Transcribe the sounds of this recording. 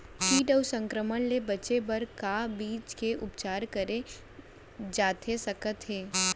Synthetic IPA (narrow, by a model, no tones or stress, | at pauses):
fiːʈəʊsə̃ŋkɾəmənlebɐt͡ʃebɐɾkabiːt͡ʃkeʔʊpt͡ʃaːɾkəɾe | d͡ʒaːt̪ʰesɐkət̪ɦeː